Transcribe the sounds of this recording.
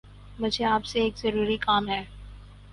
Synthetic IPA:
mʊd͡ʒʱeaːpseeːkzɐɾuːɾikaːmɦɛː

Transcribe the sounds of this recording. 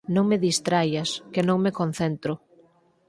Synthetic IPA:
nõŋmeðist̪ɾajaskenõŋmekon̟θent̪ɾʊ

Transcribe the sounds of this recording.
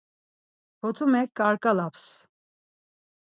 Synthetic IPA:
hɔt̪ʰumɛk̚ːaɾkʼalaps

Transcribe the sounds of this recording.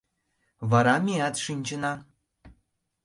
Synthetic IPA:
βɑɾɑmʲeɑt̪ʃinʲt͡ɕənɑ

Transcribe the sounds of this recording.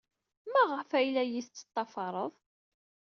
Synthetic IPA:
mæʁəfæjlæjist͡sːə̥t̪ˤːɑfɑɾˤəðˤ

